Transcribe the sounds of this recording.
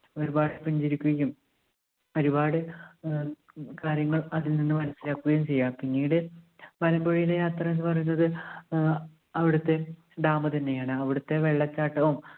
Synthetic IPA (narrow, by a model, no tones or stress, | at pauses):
o̞ɾubaːɽɨpiɲd͡ʑiɾikʲːuɣɐjʲːum | o̞ɾubaːɽɨ | kaːɾjɐŋːɐɭɐðilninːɨmɐnɐsːilaːkːuɣɐjmt͡ɕe̞jːaːmpiŋːiːɽɨ | ʋɐlɐmboɻijilejaːt̪rɐe̞nːɨpɐrɐjunːɐðɨ | ɐʋiɽut̪ːe̞ | ɖ̪aːmɐt̪ɐnːe̞jaːɳɨɐʋiɽut̪ːe̞ʋe̞ɭːɐt͡ɕːaːʈːɐʋum